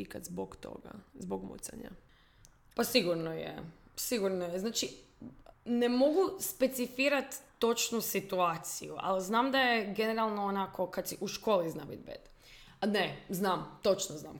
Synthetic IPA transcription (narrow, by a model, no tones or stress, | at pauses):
ikat̪zboɡt̪o̰ɡa̰zboɡmṵt̪sa̰ɲa̰ | pasiɡuɾnojḛsiɡuɾnojeznaːt͡ʃi | nemo̞ɡuspet̪sifiːɾat̪ːo̞t͡ʃnusit̪uaːt̪sijuʔa̰lznaːmd̪ajeɡeneɾalˠnoonakʰo̞kad̪siʔuʃkoːliznabḭd̪bḛd̪ | neznaːmt̪o̞t͡ʃnozna̰ːm